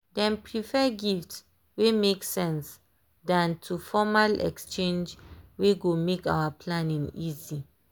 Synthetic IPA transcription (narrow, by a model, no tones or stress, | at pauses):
dɛ̃npʰɹifɛɡift | wemeksɛ̃ns | dãntʰufɔmalɛ̰kst͡ʃẽnd͡ʒweɡomeka̰wapʰlãnĩŋizi